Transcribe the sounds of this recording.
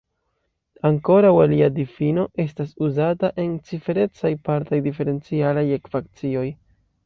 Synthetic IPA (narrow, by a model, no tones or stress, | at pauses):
aŋko̞ɾawaliadifino̞ʔe̞stasuzataʔe̞nt͡sife̞ɾe̞t͡sajpaɾtajdife̞ɾe̞nt͡sialajekfak̚t͡sio̞j